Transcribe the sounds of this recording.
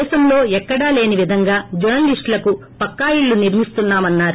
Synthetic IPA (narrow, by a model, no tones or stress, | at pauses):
ʃɐmlo̞ːɛkːɐɽaːle̞ːniʋid̪ʱɐŋɡaːd͡ʒɐɐnliʂʈlɐku | pɐkːaːjiɭːuniɾmist̪unːaːmɐnːaːɾ